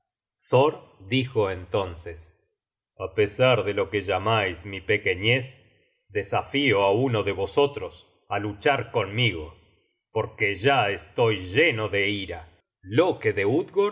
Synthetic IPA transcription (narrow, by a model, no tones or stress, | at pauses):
θoɾd̪ixoent̪o̞nses | apesaɾðelo̞keʒamajsmipekeɲes | d̪e̞safioaunoðe̞βo̞so̞t̪ɾos | alut͡ʃaɾko̞nmiɣo̞ | po̞ɾkeʒaest̪o̞jʒenoðe̞iɾa | lo̞keðeud̪ɣo